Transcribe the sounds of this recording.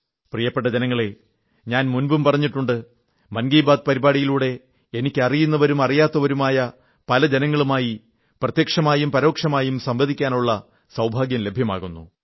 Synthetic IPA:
prijɐpːeʈːɐd͡ʑenɐŋːɐɭe̞ | ɲaːnmunbumpɐrɐɲːiʈːuɳɖɨ | mɐnɡiːbaːd̪ɨpɐɾibaːɽijiluːɽe̞ | enikʲːɨɐrijunːɐʋɐɾumɐrijaːt̪ːɐʋɐɾumaːjɐ | pɐlɐd͡ʑe̞nɐŋːɐɭumaːji | prɐt̪jɐkʂɐmaːjumpɐɾo̞ːkʂɐmaːjumsɐmbɐd̪ikʲːaːnuɭːɐ | sɐwbʱaːɡjɐmle̞bʱjɐma̰ːɣunːṵ

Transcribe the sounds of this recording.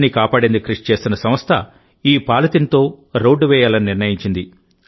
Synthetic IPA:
nːikaːpaːɽend̪ukɾiʂt͡ʃe̞ːsinɐsɐmɐst̪ʰɐ̰ | iːpaːlɐt̪int̪o̞ː | ɾo̞ːɖːuʋɛːjaːlɐniniɾnɐjiɲt͡ʃind̪i

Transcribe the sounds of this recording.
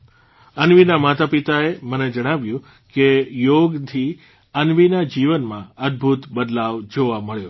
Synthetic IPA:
ənʋinamat̪apit̪aeməned͡ʒəɽ̃aʋjũ | kejoɡt̪ʰi | ənʋinad͡ʒiʋənmãəd̪̚bʱut̪bəd̪laʋd͡ʒoʋaməɭjo

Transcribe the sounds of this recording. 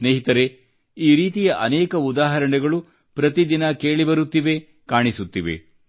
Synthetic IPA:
sneːɦit̪ɐɾe̞ | iːɾiːt̪ijɐʔɐnɛːkɐud̪aːɦɐɾɐɳɛɡɐɭu | pɾɐt̪id̪inɐke̞ːɭibɐɾut̪ːiʋe̞ | kaːɳisut̪ːiʋḛ

